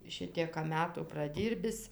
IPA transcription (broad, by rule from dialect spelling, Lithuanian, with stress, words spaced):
ˈʃʲɪtʲiɛkɐ ˈmʲæːtuː prɐˈdʲiːrʲbʲɪs